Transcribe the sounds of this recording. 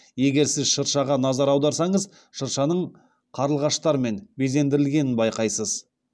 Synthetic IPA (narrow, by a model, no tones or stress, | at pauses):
je̞ɡʲe̞ɾsɪzʃəɾʃɑʁɑnɑzɑɾɑwd̪ɑɾsɑɴəz | ʃəɾʃɑnəɴ | qʰɑɾəlˠʁɑʃt̪ɑɾme̞nbeze̞nd̪ɪɾɪlɡʲe̞nɪnbɑjqɑjsəz̥